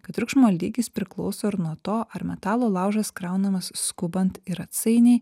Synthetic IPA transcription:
kɐt̪ɾʲʊkʃmoːlʲiːɡʲɪspʲɾʲɪklˠɔʊsoːɪɾnuɔt̪oːʔɐɾmʲɛt̪ɑːlˠoːlˠɑˑʊʒɐskɾɑˑʊnɐmɐsːkʊbɐnt̪ɪɾɐt̪sɐɪnʲɛɪ

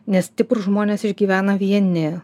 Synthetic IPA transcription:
nʲɛst̪ʲɪpɾʊʒmoːnʲeːsɪʒʲɡʲiːʋʲæːnɐʋʲiɛnʲɪ

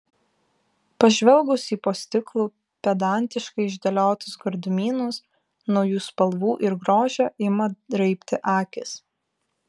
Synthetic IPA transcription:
pɐʒʲʋʲɛlˠˑɡʊsiːpoːsʲt̪ʲɪklˠuː | pʲɛd̪ɑˑnʲt̪ʲɪʃkɐɪɪʒʲd̪ʲɐlʲoːt̪ʊsɡɔɾd̪ʊmʲiːnʊs | nɒʊjuːspɐlˠʋuːʔɪɾɡɾoːʒʲoːʔɪmɐd̪ɾɐɪpʲt̪ʲɪʔɑːkʲɪs

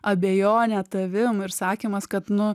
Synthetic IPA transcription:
ɐbʲeːjoːnʲɛt̪ɐʋʲɪmɪɾsɑːkʲiːmɐskɐt̪nʊ

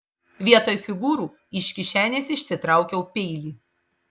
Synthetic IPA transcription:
ʋʲiɛt̪oːjfʲɪɡuːɾuː | ɪʃʲkʲɪʃʲæːnʲeːsɪʃʲsʲɪt̪ɾɑˑʊkʲɛʊpʲɛɪlʲiː

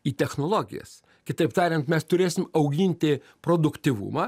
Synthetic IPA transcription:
iːt̪ʲɛxnoːlˠoːɡʲɪ̰jɛ̰s | kʲɪt̪ɐɪpt̪ɑːɾʲɛnt̪mʲɛst̪ʊɾʲeːsʲɪmɐʊɡʲɪnʲt̪ʲɪ | pɾoːd̪ʊkt̪ʲiʋʊ̰mɐ

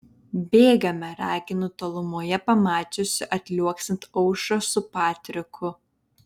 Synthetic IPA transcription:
bʲeːɡɐmʲɛɾɑːkʲɪnʊt̪oːlˠʊmuɔjɛpɐmɑːt͡ʃʲosʲɪʔɐt̪ʲlʲuɔksʲɪnt̪ɔʊʃoːsʊpɑːt̪ʲɾʲɪkʰʊ

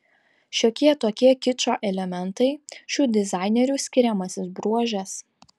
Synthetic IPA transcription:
ʃʲoːkʲiɛt̪oːkʲiɛkʲɪt͡ʃʲoːʔɛlʲɛmʲɛnt̪ɐɪʃʲuːd̪ʲɪzɑˑɪnʲɛɾʲuːˑsʲkʲɪɾʲɛmɐsʲɪsbɾuɔʒʲɛs

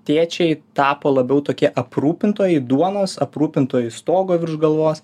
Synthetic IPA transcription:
t̪ʲeːt͡ʃʲɛɪt̪ɑːpoːlˠɐbʲɛʊt̪oːkʲiɛʔɐpɾuːpʲɪnt̪oːjɛɪd̪uɔnoːsɐpɾuːpʲɪnt̪oːjɛɪst̪oːɡoːʋʲɪɾʒɡɐlˠʋoːs

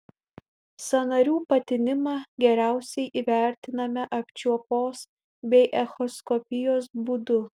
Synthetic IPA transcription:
sɐnɐɾʲuːpɐt̪ʲɪnʲɪmɑɡʲɛɾʲæˑʊsʲɛɪʔiːʋʲæˑɾʲt̪ʲɪnɐmʲɛʔɐpʲt͡ʃʲuɔpoːs | bʲɛɪʔɛxɔskɔpʲɪjoːsbuːd̪ʊ

